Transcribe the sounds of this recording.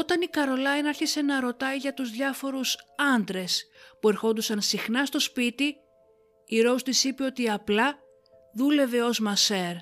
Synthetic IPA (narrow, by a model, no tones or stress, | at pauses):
o̞t̪ɐnikɐɾo̞lɐjnɐɾçise̞nɐɾo̞t̪ɐiʝɐt̪uzðʝɐfo̞ɾusɐnd̪ɾe̞spue̞ɾxo̞nd̪usɐnsixnɐst̪o̞spit̪i | iɾo̞ust̪isipe̞o̞t̪iɐplɐ | ðule̞ve̞o̞zmɐseɾ